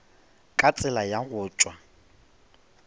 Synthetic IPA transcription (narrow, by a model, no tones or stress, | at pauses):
kʼat͡sʼɪlajaɣʊːt͡ʃʼwa